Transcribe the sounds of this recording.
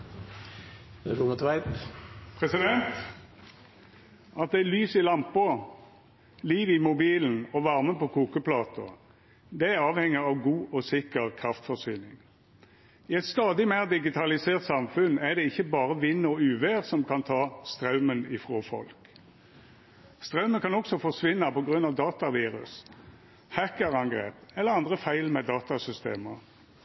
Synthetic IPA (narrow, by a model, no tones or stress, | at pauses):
ɛɾʊŋət̪ʋæɪppʰʁɛsɪd̪ɛnt̪ | ɑt̪̚d̪ɛlyːsɪlɑmpə | liːʋɪmʊbiːln̩ɔʋɑʁməpɔkʰuːkəplɑːt̪ʰɔ̰ | d̪ɛæʁɑːʋhɛŋːəɑʋɡuːʔɔsɪkəʁkʰʁɑft̪fɔʁsyːnɪŋ | ɪɛt̪st̪ɑːd̪ɪmæːʁd̪ɪɡɪt̪ʰɑlɪseːʁt̪sɑmfʉnæʁd̪ɛɪçːəbɑːʁəʋɪnːəɔʉːʋeːʁsɔmkʰɑnt̪ʰɑːst̪ʁɑʉmənɪfʁoːfɔ̰lk | st̪ʁɑʉməkʰɑnɔksɔfɔʁsʋɪnːɑpɔɡʁʉnɑʋd̪ɑːt̪ɑʋiːʁʉ̰s | hækəʁɑŋɡʁḛːpɛləʁɑnd̪ʁəfæɪlmɛd̪ɑːt̪ɑsʏst̪ḛːmə